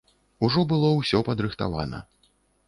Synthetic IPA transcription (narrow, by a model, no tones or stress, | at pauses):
uʐɔbɨlˠɔwsʲɔpɐd̪ɾɨxt̪a̰va̰nɐ̰